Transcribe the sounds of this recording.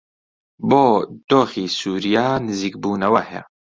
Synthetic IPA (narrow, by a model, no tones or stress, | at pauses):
boːd̪̥oːxiːsuːɾijaːnɨziːkbuːnɐwɐhɛ̰